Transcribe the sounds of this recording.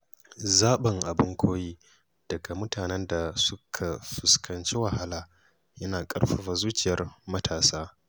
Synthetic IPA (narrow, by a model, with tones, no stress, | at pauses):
zaː˦ɓɐ˨ŋʔa˨bʊ˦ŋkʷʰoː˦jiː˦ | d̥ɐ˨ɡa˨mʊ˦taː˨nɛ˦nda˨sʊ˦kʰa˨ɸɪ˨skʰɐ˨nt͡ʃi˦wɐ˨ɦa˦laː˨ | jɐ˦naː˨kʼɐ̰˦rɸa˨ɸa˨zuː˦t͡ʃʼɪ˨jɐ˦rmɐ˦tʰaː˨saː˦